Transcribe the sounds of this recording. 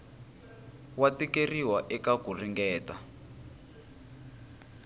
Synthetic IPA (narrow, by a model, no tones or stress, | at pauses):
watikeriwaʔɛkakuriŋɡɛːta